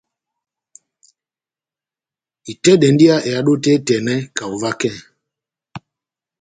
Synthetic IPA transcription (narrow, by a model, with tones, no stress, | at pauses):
i˨tɛ˦ɗɛ˨n˦di˦a˦ʔe˨a˦ɗo˦tɛ˦tɛ˨nɛ˦ka˨o˨va˦kɛ̃˦˨